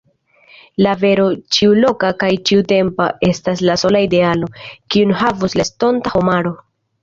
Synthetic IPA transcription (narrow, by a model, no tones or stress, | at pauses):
lave̞ɾo̞t͡ʃiulo̞kakajt͡ʃiute̞mpa̰ʔe̞stas̬laso̞laide̞alo̞kiunɦavuslesto̞ntaho̞maɾo̞